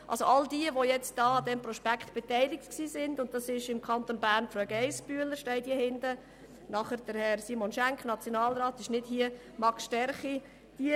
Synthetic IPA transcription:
ʔɑ̰lsoʔɑldiəʋojɛt͡std̥ɑːɑd̪ɛmprɔʃpækʰtb̥etæɪlɪk̚tksiːsɪndʊnt̚d̥ɑsɪʃɪmkʰɑnt̪onbæːɾnfɾœɡ̥ɛɪsb̥yələʃtɛɪd̥iəhɪndə | nɑχəɾd̥əɾhɛɾsiːmonʃæŋkχnɑt͡sjonɑːlɾɑːt̪ɪʃnɪd̥hiə | mɑksʃtɛɾχi | d̥iə

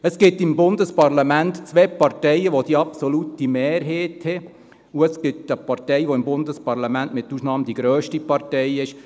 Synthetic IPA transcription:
əsɡ̥ɪtːɪmbʊndəspɑɾlɑmɛntt͡sʋɛːpɑɾtɛɪəʋod̥iːɑpsolutimɛːɾɦeːthɛ | uəsɡ̥ɪt̪əpɑɾtɛɪʋoɪmbʊndəspɑɾlɑmɛntmɪt̪ːuːsnɑːmd̥̪iɡɾøːʃtipɑɾtɛɪɪʃ

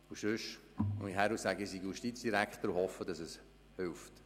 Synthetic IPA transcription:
usøʃ | m̰ihæɾusæɡəɪsiɡjuʃtit͡sd̥iɾækt̪əɾʊhɔfːəd̥ɑsɛs | hɪlft

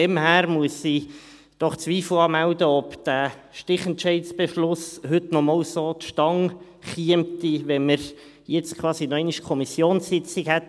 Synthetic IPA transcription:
ɛmhæːɾmuəsi | d̥ɔχt͡sʋiːfləɑːmæwdəɔpd̥æːʃtɪχəɛntt͡ʃɛɪtsb̥eʃlʊshʏtnɔmɑːwsot̪ʃtɑŋ | χiəmtiʋɛnməɾ | jɛt͡skʰwɑːsinɔœɛɪniʃkʰɔmisjoːnsːɪt͡sikhɛt

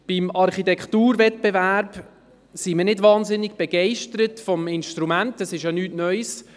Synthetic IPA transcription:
b̥imɑɾχitɛktuːɾvɛt̚bɛværb | simiənɪdvɑːnzɪnːɪɡ̥b̥ɛɡ̥ɛɪʃtəɾətfɔmɪnʃtɾumæntɛsɪʃjanyːtnœʏs

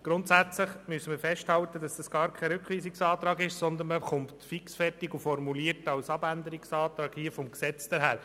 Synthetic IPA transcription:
ɡ̥ɾʊnt̪sæt͡sləχmyəsəmiːɾfɛʃthɑwt̪ədɑsd̥ɑsɡ̥ɑːɾkʰɛɾʏkʰʋiːsiksɑːt̪ɾɑːɡɪʃsɔnd̪ənməχʊmptfiksfɛrtiɡufɔrmuliəɾtɑwsɑbænd̪əɾiksɑːt̪ɾɑːɡ̥hiəfɔmksɛt͡sd̥əɾɦæːɾ

